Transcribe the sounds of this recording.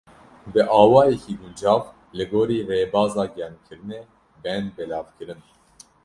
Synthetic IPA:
d̪ɨʔɑːwɑːjɛkiːɡund͡ʒɑːv | lɨɡoːɾiːreːbɑːzɑːɡɛnkʰɨɾɨneː | bɛnbɛlɑːvkʰɨɾɨn

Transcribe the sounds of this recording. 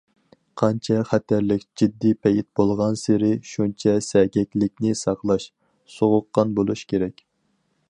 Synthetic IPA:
qʰɑnt͡ʃʰɛχæt̪ʰæɾlɪkʲd͡ʒid̪ːipʰɛit̪̚bolˠʁɑnseɾɪʃunt͡ʃʰɛsɛɡʲɛkʲlɪk̚ʲnɪsɑqlˠɑʃ | soʁʊqːɑnbolˠuʃkʲʰeɾɛkʲ

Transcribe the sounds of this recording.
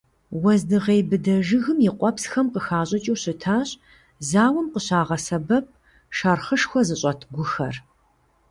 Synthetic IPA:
wɐzdɨʁeːbɨdɐʒɨɣɨmjɪqʷʼɔpsxɐmqəxaːɕʼɐt͡ʃʼiwɕɪtʰaːɕ | zaːwɐmqəɕaːʁɐsɐbɐp̚ | ʃɐrχəʂxʷɔzɨɕʼɐtʰɡʷʊxɐ̰r

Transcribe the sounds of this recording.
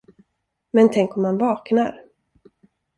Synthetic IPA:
mɛnt̪ʰɛŋkɔmːanvɑːkna̰ɾ

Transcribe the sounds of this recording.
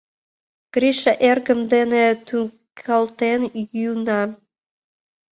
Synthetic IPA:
ɡ̥ɾiʃɑʔerɡəmd̪enet̪ʰu | kʰɑlt̪enjynɑ

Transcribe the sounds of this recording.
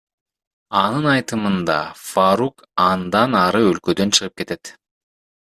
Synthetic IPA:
ɑnɯnɑjt̪ɯmɯnd̪ɑ̰faɾuk | ɑnd̪ɑnɑɾɯølkø̞d̪ø̞nt͡ʃʰɯʁɯp̚ke̞t̪e̞t̪

